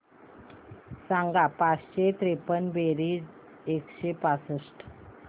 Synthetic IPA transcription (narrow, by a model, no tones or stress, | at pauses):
sãŋɡapat͡sɕet̪ɾepənbeɾiːd͡z | ekɕepasəsʈ